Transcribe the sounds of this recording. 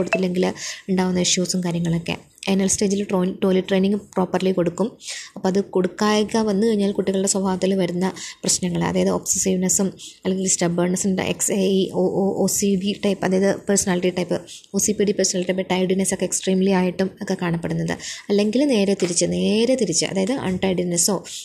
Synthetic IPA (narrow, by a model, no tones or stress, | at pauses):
oɽut̪ːilːe̞ŋɡiluɳɖaːʋunːɐiʂjuʋsumkaːɾjɐŋːɐɭo̞kːe̞̰ | enɐlsteːd͡ʑilʈoʈo̞ːliʈre̞jniŋɡɨpro̞ːpːɐrliko̞ɽukːumɐpːoːɐðɨko̞ɽukːaːjkːɐʋɐnːɨkɐɻiɲːaːlkuʈːiɣɐɭuɽe̞swɐbʱaːʋɐt̪ːilʋɐɾunːɐprɐɕnɐŋːɐɭɐ̰ðaːjɐðɨopsesiːʋnɐsumɐlːe̞ŋɡilsʈɐbɐrɳɐsn̰ḛksiooːsiɖiʈɐjpːɨɐðaːjɐðɨpɐrsɐnaːliʈiʈɐjpːɨoːsipiːɖipɐrsɐnaːliʈipːeʈːɐjɖinɐso̞kːeksʈriːmliaːjiʈːumokːe̞kaːɳɐpːe̞ɽunːɐðɨ̰ɐlːe̞ŋɡilune̞ːɾet̪iɾit͡ɕːɨne̞ːɾet̪iɾit͡ɕːɨ̰ʔɐ̰ðaːjɐðɨʔɐ̰ɳʈɐjɖinɐso̞ː